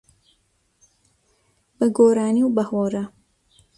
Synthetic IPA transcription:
bɐɡoːɾaːniwbɐhoːɾɐ

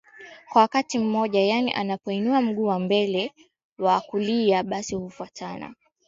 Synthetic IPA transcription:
kwawakatim̩mɔʄajanḭʔanapɔinuam̩ɠuːwambɛlɛ | waːkuliaɓasihufuatʰana̰

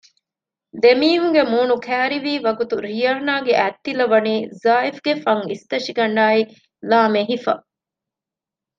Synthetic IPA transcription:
d̪emiːɦuŋɡemuːnukʰæːɾiʋiːʋɐɡut̪uɾijɐɾnaːɡeʔæt̪ːilɐʋɐniːzaːifɡefɐŋist̪ɐʃiɡɐɳɖaːi | laːmeɦifɐ̰

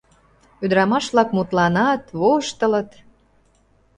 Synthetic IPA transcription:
yd̪ɾɑmɑʃβlɑkmut̪lɑnɑt̪βoʃt̪ə̆lət̪

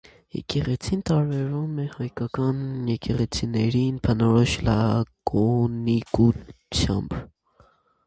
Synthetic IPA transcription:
jɛ̰kɛʁɛt͡sʰint̪ɑɾbɛɾumɛhɑjkɑkɑnjɛkɛʁɛt͡sʰinɛɾinpʰənɔɾɔʃlɑkʰɔnikut͡sʰjɑ̰mb

